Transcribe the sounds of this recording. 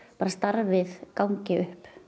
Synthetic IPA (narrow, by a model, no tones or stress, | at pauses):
paːɾast̪aɾvɪðkawŋcɪʏhp